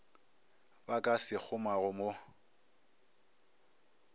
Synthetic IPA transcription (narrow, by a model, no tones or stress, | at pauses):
bakʼasɪk͡xʰʊmaɣʊmo